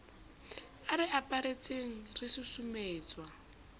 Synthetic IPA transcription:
aɾɪʔapʼaɾet͡sʼeŋ̩rɪsʊsumeːt͡sʼwa

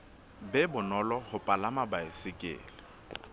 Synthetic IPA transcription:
bɛbʊnɔlɔhʊpʼalamabaɪsɪkʼɪ̰ːlɪ

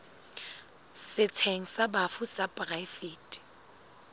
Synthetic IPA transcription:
sɪt͡sʰeŋ̩sabafusapʼraifeːtʼi̥

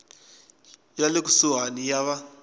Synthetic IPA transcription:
jalekusuɦanijaβa

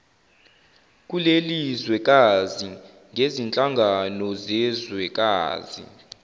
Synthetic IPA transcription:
k̬ʼulelizwɛk̬ʼazi | ŋʱezint͡ɬʼaŋɡʱanɔzɛzwɛk̬ʼa̰ːzḭ

